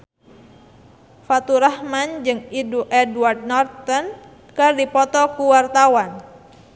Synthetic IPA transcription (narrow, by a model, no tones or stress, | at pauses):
fat̪uɾahmand͡ʒɨŋiduʔɛduard̪̚nɔrt̪ɔn | kɨrdipɔt̪ɔkuwart̪awan